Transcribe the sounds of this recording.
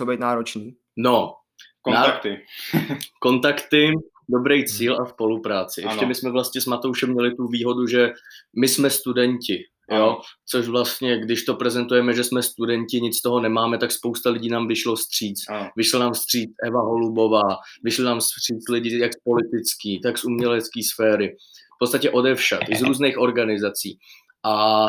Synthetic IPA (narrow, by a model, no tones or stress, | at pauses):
t͡sobɛjt̪naːɾot͡ʃniː | no | knaɪ | ko̞nt̪akt̪ɪ | do̞bɾɛjt͡siːlʔaspo̞lupɾaːt͡sɪʔɛʃcɛmɪsmɛvlast̪ɲɛsmat̪o̞wʃɛmːɲɛlɪt̪uviːɦo̞duʒɛmɪsmɛst̪udɛɲcɪ | jot͡so̞ʃvlast̪ɲɛɡdɪʃt̪o̞pɾɛzɛnt̪ujɛmɛʒɛsmɛst̪udɛɲcɪɲɪt͡st̪oɦo̞nɛmaːmɛt̪akspo̞wst̪alɪɟiːnaːmvɪʃlost̪r̝̥iːt͡svɪʃlanaːmst̪r̥iːt͡sʔɛvaɦo̞lubo̞vaːvɪʃlɪnaːmst̪r̝̥iːt͡slɪɟɪjakspo̞lɪt̪ɪt͡skiːt̪aksumɲɛlɛt͡skiːsfɛːɾɪ | fpot̪t͡st̪acɛʔo̞dɛfʃat̪ʔɪzɾuːznɛːxʔo̞ɾɡanɪzat͡siː | ʔa